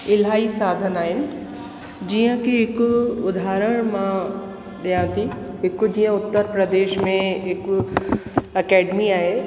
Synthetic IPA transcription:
ɪlaːisaːd̪ʱənaːɦɪnɪ̆ | d͡ʑiːə̃kʰeɦɪkʊʊd̪ʱaːɾəɽ̃mã | ɗijãːt̪ʰi | ɦɪkd͡ʑiːə̃ʊt̪ːəɾpɾəd̪eːʃmẽɦɪk | ɐkɛːɖmiaːɦe

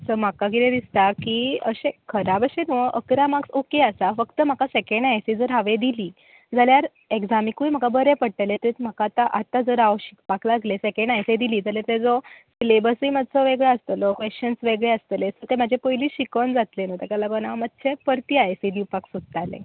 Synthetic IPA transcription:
səm̤akaɡiɾẽd̪ist̪akiəɕẽkʰəɾabəɕenuʔəkɾamaksokeəsafəkt̪əm̤akasekẽɳɖajsid͡zəɾɦaʋed̪iliː | d͡zaljaɾ | ekd͡zamikujm̤akabəɾepəɽʈəlet̪əɾit̪m̤akat̪aʔat̪ad͡zəɾaʋɕi̥kpaklaɡlesekẽɳɖajsed̪iliːd͡zaljat̪ed͡zɔslebəsiːməd̪ʱt͡sɔʋeɡɭeəst̪əlɔkʋest͡ɕənsʋeɡɭeəst̪əlesət̪em̤ad͡ʑʱepəjliːɕikənd͡zat̪lenət̪ekalaɡənaʋmət̪ːsepəɾt̪iajsid̪iwpaksud̪̚t̪alḛ̃

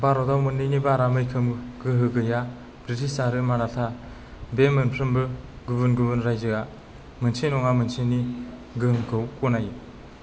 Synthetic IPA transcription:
baɾɔdawmɯnːɯjnibaɾamɯjkʰɯmɡɯɦɯɡɯja | bɾitʰissaɾɯmanatʰa | bemɯnpʰɾɯmbɯ | ɡubɯnɡubɯnɾajzɯɡa | mɯnsʰijnɔŋamɯnsʰiniɡɯɯŋkʰɯwkɔnaj

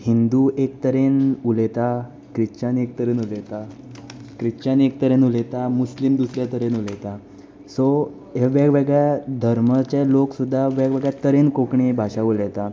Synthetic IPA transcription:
hind̪uʔek̚t̪əɾenulet̪a | kɾit͡ɕanek̚t̪əɾenulet̪a | kɾit͡ɕanek̚t̪əɾenulet̪amuslimd̪usɾjat̪əɾenulet̪a | so | ɦeʋaɡʋeɡɭjad̪ʱəɾmət͡ɕeloksud̪ʱːaʋaɡʋeɡɭjat̪əɾenkokɳibʱaɕaulet̪a

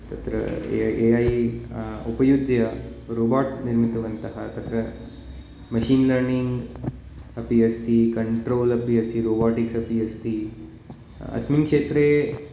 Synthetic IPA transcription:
t̪ɐt̪ɾɐ̰eai | upɐjud̪jɐɾobaʈniɾmit̪ɐʋɐnt̪ɐɦɐt̪ɐt̪ɾɐ | mɐɕiːnləɾniŋɡ | ɐpiɐst̪iːkɐɳʈɾoːlɐpiɐst̪iːɾobaʈiksɐpiɐst̪iː | ɐ̰sminkʂeːt̪ɾe

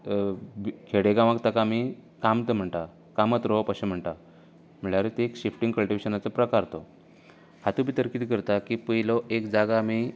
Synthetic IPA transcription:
kʰeɽeɡãʋakt̪akaːmikamt̪əm̤əɳʈ̪a | kamət̪ɾopaɕem̤əɳʈ̪a | m̤iɭaɾet̪eːkɕifʈĩŋɡkəlʈiʋeɕənat͡səpɾəkaɾt̪o | hat̪ubʱit̪əɾkiːt̪kəɾt̪akipəɦilɔʔekd͡zaɡaːmi

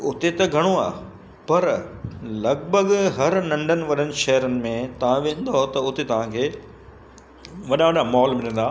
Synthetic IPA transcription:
ʊt̪et̪ɐɡʱɐɽ̃oa̰ː | pɐɾlɐɡbʱəɡɦɐɾnɐ̃ɳɖʱənɪ̆ʋɐɗənɪ̆ʃɐɦəɾənɪ̆mẽt̪ɐʋ̤ãʋẽːn̆d̪aɦot̪ɐʊt̪et̪ɐʋ̤ãkʰeː | ʋɐɗaʋɐɗamɔːlmɪlə̃n̆d̪aː

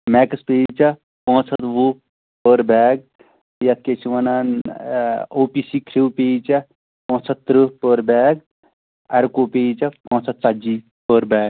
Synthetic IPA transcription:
mɛːkspeːt͡ʃɐ | põːsʰɐt̪ʋu | pəɾbɛːɡ̚ | jɐt̪̚ket͡ʃʰiʋɐnɐn | oːpisiːkʰɾiwpeːt͡ʃɐ | pɔ̃ːt͡sʰɐt̪t̪ːɾɨpəɾbɛːɡ | ɐɾkopeːt͡ʃɐpɔ̃ːsʰɐt̪̚t͡sad͡ʒi | pəːɾbɛːɡ

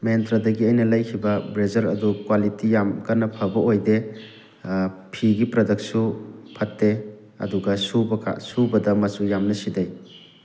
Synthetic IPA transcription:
mentɾɐdɐɡiɐjnɐlɐjkʰibɐbɾed͡ʒɐɾɐ̰dukwalitijamkɐnːɐpʰɐbɐojde | pʰiɡipɾɐdɐk̚supʰɐtːe | ɐ̰duɡɐsubɐkʰa̰subɐdɐmɐt͡ʃujamnɐsidɐj

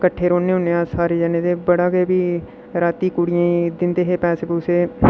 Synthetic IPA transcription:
kəʈʰːeːɾoːnːeːɦʊneãːsaːɾeːd͡ʒɛːneːd̪eːbəɽaːɡeːbiː | ɾaːt̪iːkuɽɪjãːid̪ɪnd̪eːɦeːpɛːseːbuseː

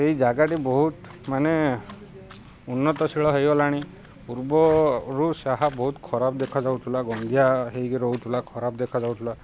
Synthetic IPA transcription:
ejd͡ʒaɡaʈibɔɦut̪ | mane | unːɔt̪ɔsiɭɔɦejɔlaɽ̃i | puɾbɔɾusaɦabɔɦut̪kʰɔɾap̚d̪ekʰad͡ʒawt̪ʰulaɡɔnd̪ʱjaɦejkeɾowt̪ʰulakʰɔɾap̚d̪ekʰad͡ʒawt̪ʰula

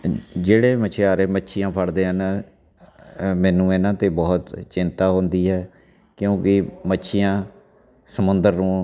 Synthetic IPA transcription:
d͡ʒeːɽeːmət͡ʃʰɪjaːɾeːmətːʃʰɪjãːpʰəɽd̪eːɦən | mɛ̃ːnũːɪnãːt̪eːbɔːt̪t͡ʃɪnt̪aːɦoːnd̪iːɦɛː | kjõːkɪmətːʃʰɪjãː | səmʊnd̪əɾnũː

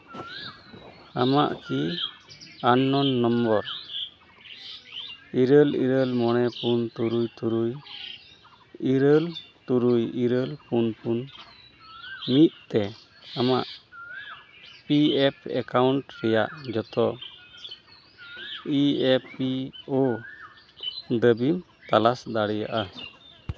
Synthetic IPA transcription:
amaʔki | anːɔnːɔmbɔɾ | iɾəlḭɾəlmɔñɛpunt̪uɾujt̪uɾuj | iɾəlt̪uɾujiɾəlpunpun | mit̪̚t̪ɛ | amaʔ | piɛpʰɛ̰kawɳʈɾɛjaʔd͡ʒɔt̪ɔ | iepio | d̪əbim | t̪alasd̪aɽija̰ʔa

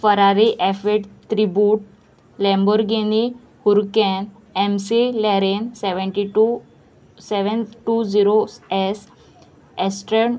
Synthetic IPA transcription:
fəɾaɾiʔɛfeʈt̪ɾibjuːʈ̚ | lɛ̃mbuɾɡeni | huɾkɛ̃n | ɛmsilɛɾensɛʋəɳʈiʈu | sɛʋənʈud͡ziɾosɛs | ɛsʈɾəɾn

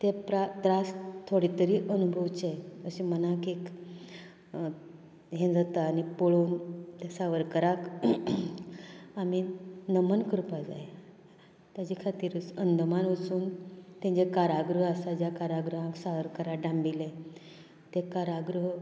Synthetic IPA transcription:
t̪epɾad̪ɾast̪ʰːoɽit̪əɾiːʔənubʱəʋt͡ɕejəɕimənakek | ɦẽd͡zat̪aːnipoɭont̪esaʋəɾkəɾak | aminəmənkəɾpad͡za̰je | t̪jat͡ɕikʰat̪iːɾət͡sənd̪əmanət͡suːnt̪ẽɲd͡ʑekaɾaɡɾəɦasad͡ʑjakaɾaɡɾəɦãksaʋəɾkəɾakɖãmbile | t̪ekaɾaɡɾəɦ

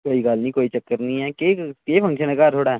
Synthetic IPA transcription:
koːiɡaːlnĩkoːit͡ʃəkːəɾnĩɦɛːkeːkeːpʰɐ̃ŋkʃənəkaːt̪ʰoːɽaɦɛː

